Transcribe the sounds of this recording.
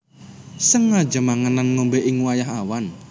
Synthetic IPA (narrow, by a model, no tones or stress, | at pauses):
səŋːḁd͡ʒə̤maŋananŋombeʔɪŋwajaɦawan